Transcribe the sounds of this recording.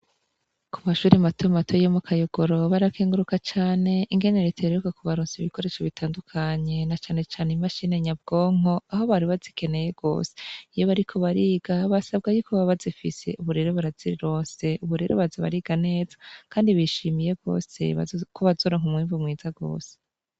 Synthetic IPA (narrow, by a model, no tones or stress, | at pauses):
kumaʃuːɾimatomatʰojomukʰajoɡ̥oɾo̞βaɾakʰeːŋɡuɾukat͡ʃaːne̞iŋɡe̞neɾetʰeɾɾukakuβaɾuːnsiβiko̞ɾe̞ʃaβitaːndukʰaɲe̞nat͡ʃaːne̞t͡ʃaːneimaʃine̞ɲab̚ɡ̥o̞ːŋ̥o̞aɦo̞βaɾiβazike̞ne̞je̞ɡ̥o̞̰ːse̥ijoβaɾikʰo̞βaɾiːɡ̥aβasab̚ɡajukʰoβaβazifḭse̞̰ʔuβuɾe̞ɾo̞βaɾaziɾiɾo̞ːnse̞uβuɾe̞ɾo̞̰βazaβa̰ɾiːɡane̞ːzḁkaːndiβiʃimije̞ɡo̞̰ːse̞̰βa̰kʰoβazo̞ɾoŋ̥umŋiːɱvumŋiːzaɡo̞̰ːse